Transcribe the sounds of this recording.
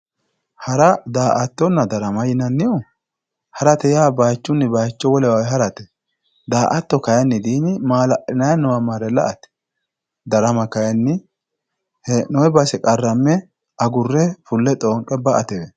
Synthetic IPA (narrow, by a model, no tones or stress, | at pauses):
hɐɾɐd̪aːʔɐt̪ːɔnːɐd̪ɐɾɐmɐjɪnɐnːɪjɔ | hɐɾɐt̪ɛjaːbaːt͡ʃːʊnːɪbaːjt͡ʃːɔwɔlɛwawɦɐɾɐt̪ɛ | d̪aːʔɐt̪ːɔkɐjɐnːɪd̪iːnɪmaːlɐʔɪnɐjɐnːɔwɐmɐɾɛlɐ̰ʔɐt̪ɛ̥ | d̪ɐɾɐmɐkɐjɐnːɪ | hɛnɔɛbɐsɛkʼɐrːɐmːɛ | ɐɡʊrːɛfʊlːɛt̪ʼoːŋkʼːɛbɐʔɐt̪ɛwɛ